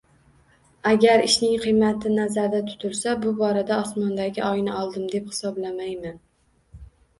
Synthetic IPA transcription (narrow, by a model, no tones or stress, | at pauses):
aɡʲaɾɪʃnɪŋqʰɨjmat̪ʰɪnazaɾd̪at̪ʰʊ̥t̪ʰʊɾsabʊbɒɾad̪aɒsmɒnd̪aɡʲɪʔɒjnɪɒlˠd̪ɪmd̪e̞phɪ̥sɒblamajman